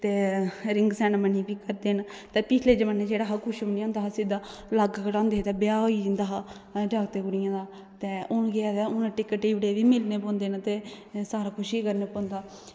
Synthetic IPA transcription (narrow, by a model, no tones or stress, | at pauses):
t̪eːɾɪŋɡsɛːnməniːpiːkəɾd̪eːn | t̪eːpɪt͡ʃʰleːd͡ʒəʋənẽd͡ʒeːɽaːɦakʰʊʃonĩːʊnd̪aːɦasɪd̪aː | ləɡkəʈãːnd̪eːt̪eːbɪjaːɦid͡ʒɪnd̪aːɦ | ɖakt̪eːɡʊɽɪjãːd̪aː | t̪eːʊnɡɪaːd̪ɛʊnãʈɪkːəʈiːʋɽeːʋiːmɪlneːpõːnd̪eːnt̪eː | saːɾaːkʰʊʃiːkəɾneːpõːnd̪aː